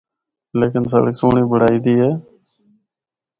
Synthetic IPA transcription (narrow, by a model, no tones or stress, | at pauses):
leːkɪnsə̰ːɽəksoːɳiːbəɽ̤aːiːd̪iːɦeː